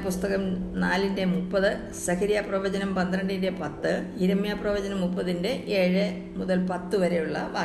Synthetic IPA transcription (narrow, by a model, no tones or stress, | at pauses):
pust̪ɐɣɐmnaːlinde̞mupːɐðɨ | sɐkʰɐɾijaprɐʋɐd͡ʑɐnɐmpɐnd̪rɐɳɖinde̞pɐt̪ːɨiɾɐmjaprɐʋɐd͡ʑɐnɐmːupːɐðinde̞ʔeːɻɨ | muðɐlpɐt̪ːɨʋɐɾe̞juɭːɐʋaː